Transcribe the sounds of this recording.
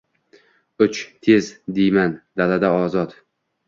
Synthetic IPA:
ʊt͡ʃt̪ʰe̞zd̪ejmand̪̥alad̪aɒzɒt̪

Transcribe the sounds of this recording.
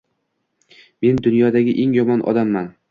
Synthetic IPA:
me̞nd̪ʊnjɒd̪aɡʲɪʔeŋjɒmɒnʔɒ̰d̪amːan

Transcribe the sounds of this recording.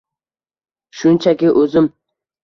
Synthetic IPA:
ʃʊnt͡ʃʰakʲɪʔɵzɪm

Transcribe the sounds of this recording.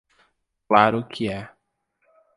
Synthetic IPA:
klaɾʊkʰɪɛ

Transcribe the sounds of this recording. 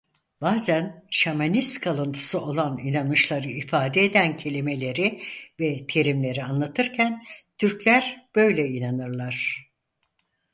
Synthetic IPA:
b̥aːzænʃamanist̪kʰalˠɯnt̪ʰɯ̥sɯo̞lˠaninanɯʃlˠaɾɯifaːd̪ɛːd̪æncʰe̞lʲime̞lʲe̞ɾivɛt̪ʰe̞ɾimlʲe̞ɾianlˠat̪ʰɯɾcʰænt̪ʰyɾclʲæɾb̥ø̞jlʲɛinanɯɾlˠaɾ̥

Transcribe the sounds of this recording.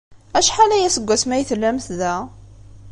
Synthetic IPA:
æʃħalæjæsəɡʷːæsmæjθəlːæmθðæ

